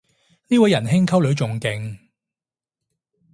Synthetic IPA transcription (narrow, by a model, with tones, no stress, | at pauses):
niː˥wɐ˨˧jɐ˨˩nɦɪ˥ŋkʰɐ˥wlɵ˨˧ɥt͡sʊ˨ŋkɪ˨ŋ